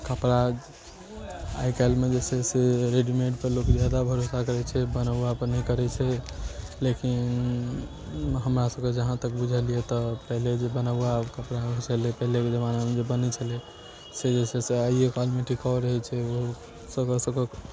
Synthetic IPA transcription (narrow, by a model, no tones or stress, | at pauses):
kəpɾad͡ʒ | a̰jkalmed͡ʒesɛseɾeɖimeʈpəɾlokd͡ʒjad̪abʱəɾosakəɾɛt͡ʃʰɛbənabuapənɛikəɾɛt͡ʃʰɛ | lekin | ɦəmɾasəbked͡ʒəɦãt̪əkbud͡ʒʱəlijet̪ɔpəɦled͡ʒebənabakəpɾat͡ʃʰəlepəɦleked͡ʒəmanamed͡ʒebənɛt͡ʃʰəlɛ | sed͡ʒeseseəiekalmeʈʰikɔɾəɦɛt͡ʃʰɛo | səkəsəbke